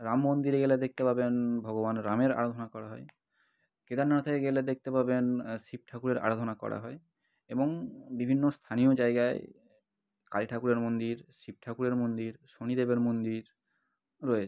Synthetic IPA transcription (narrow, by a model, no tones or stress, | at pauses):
ɾamːond̪iɾeɡeled̪ek̚t̪epabenbʱɔɡobanɾameɾa̰ɾod̪ʱonakɔɾaɦɔe | ked̪aɾnat̪ʰekeɡeled̪ek̚ʰt̪epabenʃip̚ʈʰakuɾeɾa̰ɾod̪ʱonakɔ̰ɽa̰ɦɔe | eboŋbibʱinːost̪ʰanijod͡ʑaeɡaḛ | kaliʈʰakuɾeɾmond̪iɾʃip̚ʈʰakuɾeɾmond̪iɾʃonid̪ebeɾmond̪iɾ | ɾɔet͡ɕʰ